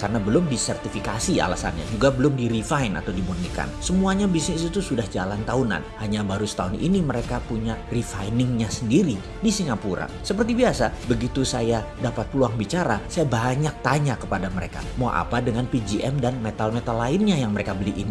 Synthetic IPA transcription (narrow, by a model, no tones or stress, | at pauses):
karnabəlʊmdisɛrt̪ifikasia̰la̰sa̰nɲa̰d͡ʒuɡabəlʊmdiɾifaɪna̰t̪awdibunika̰nsəmuaɲabisnɪsit̪usudahd͡ʒalant̪auna̰nhaɲabaɾusə̥t̪aʊnḭniməɾekapuɲarifajnɪŋɲasəndiɾi | disiŋapuɾa̰səpərt̪ibiasabəɡit̪usajadapat̪̚pəluaŋbit͡ʃaɾasajabaɲak̚t̪aɲakəpadaməɾḛka̰maʔa̰padəŋanpid͡ʒiʔɛmdanmet̪almet̪alaɪnɲajaŋməɾekabəliʔini